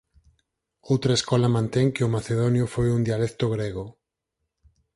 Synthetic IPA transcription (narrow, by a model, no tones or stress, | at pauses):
owt̪ɾaeskolamãnt̪eŋkeomaθeðonjofojund̪ialek̚t̪oɣ̞ɾeɣ̞o